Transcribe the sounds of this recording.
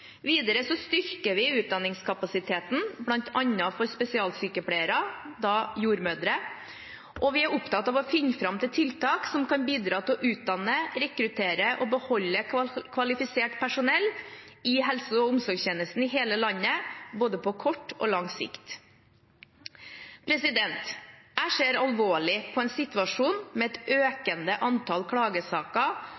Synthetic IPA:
ʋiːd̪əɾəsɔst̪ʏɾkəʋɪʉːt̪̚d̪ɑnːɪŋskʰɑpɑsɪt̪ʰeːt̪n̩blɑnt̪ʰɑnːəfɔɾspɛsɪɑːlsyːkəpʰɽæɪəɾɑd̪ɑjuːɾmøːd̪ɾə | ʔɔʋɪæɾʊpt̪ɑt̪ɑːʋɔfɪnːəfɾɑmt̪ʰɪlt̪ʰɪlt̪ʰɑːksɔmkɑnbiːd̪ɾɑːt̪ʰɪlɔʔʉːt̪̚d̪ɑnːəɾɛkɾʉt̪ʰeːɾəʔɔbəhɔlːəkʰʋɑlɪfɪseːʈpʰæʂʊnɛlː | ɪɦɛlsʊɔʊmsɔɾɡçeːnəst̪n̩ɪɦeːləlɑnːəboːd̪əpʰɔkʰɔʈːo̰ːlɑŋsɪ̰kt̪ | pʰɾɛsɪd̪ɛnt̪æʂeːɾɑlʋoːɭɪpʰɔɛnsɪt̪ʉɑʂuːnmɛɛt̪øːkənd̪əʔɑnt̪ʰɑlkʰɽɑːɡəsɑːkə

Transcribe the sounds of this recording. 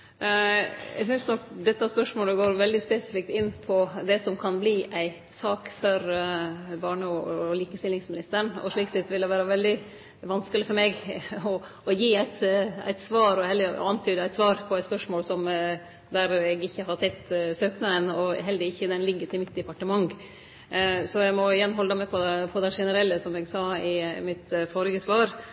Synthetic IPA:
ɛ̰ɡsʏnsnɔkd̪ɛt̪ːɑspœʂmoːləɡoːɾʋɛld̪ɪspɛsɪ̥fɪk̚t̪ɪnːpʰɔd̪ɛsɔmkʰɑnbliːʔæɪ | sɑːkfɔɾ | bɑːɳəɔliːkəst̪ɪlːɪŋsmɪnɪst̪əɳɔ̰ʂɭiːksɛt̪ːʋɪld̪ɛʋæːɾɑʋɛld̪ɪ | ʋɑnskəlɪfɔɾmeːɡɔ | ɔjiːæɪt̪æ̰ɪt̪sʋɑːɾɔhɛld̪əɑnt̪ʰyːd̪əæɪt̪sʋɑːɾpʰɔæɪt̪spœʂmoːlsɔm | d̪æɾɛɡɪçːəhɑɾsɛt̪ːsøːknɑənɔɦɛld̪ɪɪçːəd̪ɛnlɪɡːət̪ʰɪlmɪt̪̚d̪ɛpɑʈəmɑŋ | sɔɛɡmɔɪjɛnːɦɔləd̪ɛmɛpʰɔpʰɔd̪æʂɛnəɾɛlːəsɔmɛɡsɑːɪmɪt̪foɾɪɡəsʋɑːɾ

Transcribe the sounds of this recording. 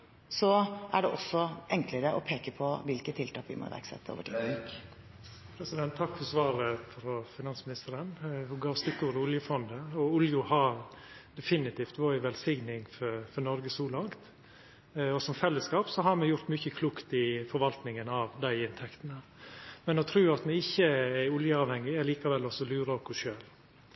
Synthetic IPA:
sɔʔæɖɛʔɔsːɔʔɛŋkləɾəʔɔpʰeːkəpʰɔʋɪlkət̪ʰɪlt̪ɑːkʋɪ̰mɑ̰ɾʋæ̰ɾksɛ̰t̪ːo̰ːʋəʈʰɪ | pʰɾɛsɪd̪ɛnt̪ʰːɑkːfɔsʋɑːɾəfɾɔfɪnɑnsmɪnɪst̪əɾənhʊɡɑːst̪ʏkːəɾʊljʊfɔnd̪əɔʊljʊhɑɾ | d̪ɛfɪnɪt̪iːft̪ʋoːʋɛlsɪɡnɪŋfɔfɔɾnɔɾɡəsɔːlɑŋt̪ | ɔsɔmfɛlːəskɑːpsɔɦɑɾmɛjʊɾt̪mʏçəkʰluːkt̪ɪfɔɾʋɑlt̪nɪŋənɑːʋd̪æɪɪnt̪ʰɛkt̪ənəmɛnɔt̪ʰɾʉːɑt̪nɛɪçːəæʊljəɑːʋhɛŋːɪɛliːkɑʋɛlːɔsɔlʉːɾokʊʃøːl

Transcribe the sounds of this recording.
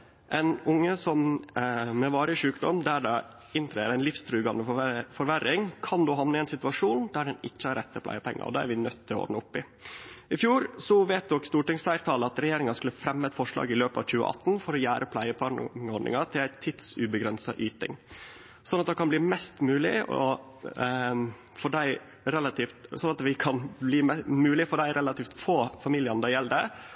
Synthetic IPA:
ʔɛnʊŋːəsɔm | mɛʋɑːɾəʂʉːkd̪ɔmd̪æɖɑ | ɪnt̪ʰɾeːəɾæɪnlɪfst̪ʰɾʉːɡɑnəfɔɾʋæɾɪŋkʰɑnd̪oːɦɑʋnəɛnsɪt̪ʉʋɑʂuːnd̪æɖɛnɪt͡ɕːəɑɾɛt̪ːəpʰlæ̰ɪəpʰɛ̰ŋːə̰ɾɔ̰d̪ɑːæ̰ɾʋɪnœt̪ʰːɪlɔɔ̰ɾnəʊpːɪ | ɪfjuːɾsɔʋeːt̪̚d̪ɔkst̪uːʈɪŋsflæɪɾt̪ʰɑːləɑt̪ɾɛjeːɾɪŋɑskʉləfɾɛmːɛt̪fɔʂlɑ̰ːɡɪløːpɑ̰ʋc͡çʉːə̰ʔɑ̰t̪ːnfɔɾɔjæːɾʔəpʰlæɪəpʰɑɳɔɖ̪ɳɪ̰ŋɑt̪ʰɪlæɪt̪ʰɪd̪sʉbəɡɾɛnsɑʔyːt̪ɪ̰ŋ | sɔnːɑt̪̚d̪ɛkɑnbliːmɛst̪mʉːlɪ̰ɔ̰ | fɔɖæɪ | ɾɛlɑt̪ʰift̪sɔnɑt̪ʋɪkʰɑnbliːmʉːlɪfɔɖæɪɾɛlɑt̪iːft̪foːfɑmiːlɪənd̪æjɛlːəd̪ɛ

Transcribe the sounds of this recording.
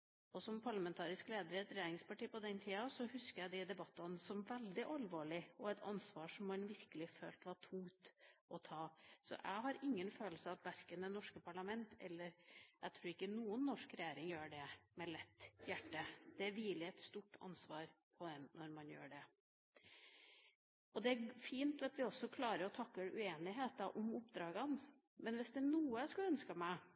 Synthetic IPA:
ɔsɔmpʰɑɭɑmɛnt̪ʰɑːɾɪskleːd̪əɾɛt̪ɾɛjeːɾɪŋspɑʈiːpɔd̪ɛnt̪ʰiːɑsɔhʉskəɾæd̪ɛd̪ɛbɑt̪ːɑnsɔmʋɛld̪ɪʔɑlʋoːɭɪɔɛt̪ʰɑ̰nsʋɑːʂɔmːɑnʋɪɾkəlɪfø̰ːlt̪ʋɑʈʰʊŋt̪ʔɔt̪ʰɑːsɔ̰ʔæ̰ɪɦɑɾɪŋːənføːləsəɑt̪ʋæɾkənd̪ɛnɔʂkəpʰɑɭɑmɛnt̪ɛ̰lːəɾʔæɪt̪ʰɾʉːɾɪkːənuːənːɔʂkɾɛjeːɾɪŋjøːɖɛmɛlɛt̪ːjæʈːəd̪̥ɛʋiːlɪɛt̪st̪uːʈːɑ̰nsʋɑːɾpʰɔd̪ɛnnɔɾmɑnjø̰ːɖɛ | ʔɔd̪ɛæfiːnt̪ʋɛt̪ʋɪɔsːɔkʰlɑːɾəɾɔt̪ʰɑkːəʉ̰eːnɪɦeːt̪ɑʔɔmʊpd̪ɾɑːɡɑn | mɛnʋɪsd̪ɛnuːəskʉlœnskɑmæɪ

